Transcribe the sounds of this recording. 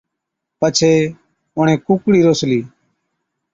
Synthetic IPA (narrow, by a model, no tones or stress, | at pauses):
pət͡ʃʰeː | ʊɳ̤ẽːkuːkɽiːɾoːsliː